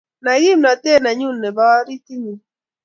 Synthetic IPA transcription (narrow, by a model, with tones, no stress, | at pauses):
na˨ɣi˦mna˨te˦˨na˨ɲu˦˨nːɛ˨ba˦ɾi˦ti˦ni˨